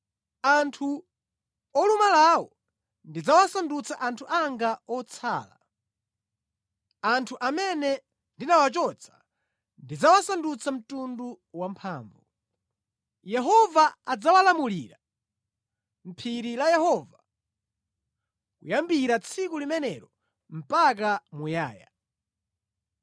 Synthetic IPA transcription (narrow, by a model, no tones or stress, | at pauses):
antʰu | ɔlumalawɔ̰ | ndid͡zawasandut͡sʰaʔantʰuʔaŋɡaɔt͡sʰa̰ːla̰ | antʰuʔamɛnɛ | ndinawat͡ʃɔt͡sʰḁ | ndid͡zawasandut͡sʰam̩tundu | wampʰaːɱvu | jɛɦɔvaad͡zawalamulḭɾa | m̩pʰiɾilajɛhɔva | kṵjambiɾat͡sʰikulimɛnɛɾɔ | m̩pak̬amujaːja̰